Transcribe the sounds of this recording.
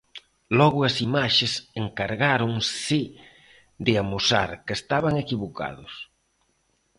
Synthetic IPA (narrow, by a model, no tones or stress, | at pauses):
lɔɣʊɐsimaʃeseŋkaɾɣaɾʊŋsi | d̪ɪamusa̰ɾkest̪aβaŋekiβoka̰ðʊs